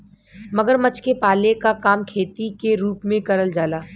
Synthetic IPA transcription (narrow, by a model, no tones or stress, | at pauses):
mɐɡəɾmɐt͡ʃkepaːlekakaːmkʰeːt̪ikeɾuːpmẽkɐɾəld͡ʒaːlaː